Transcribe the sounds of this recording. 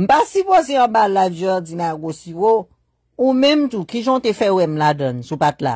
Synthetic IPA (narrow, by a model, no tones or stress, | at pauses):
m̩pasypozeʌ̃balaɔd͡zinaɡosiwo | umɛ̃mtukiʒɔ̃tefɛwɛmladʌ̃nsupatla̰